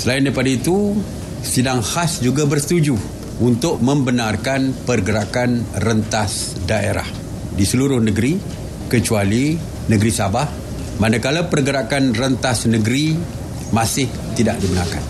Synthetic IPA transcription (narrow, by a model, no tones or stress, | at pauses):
səlaɪndajpadait̪u | sidaŋhasd͡ʒuɡabərsə̥t̪ud͡ʒu | unt̪ʊk̚mə̃mbənarkanpərɡəɾakanrənt̪as | daḛɾa̰h | disəluɾʊhnəɡɾi | kət͡ʃuali | nə̃ɡɾisabah | manakalapərɡəɾakanrənt̪asnəɡɾi | mãsɪh | t̪idaʔdibənarka̰n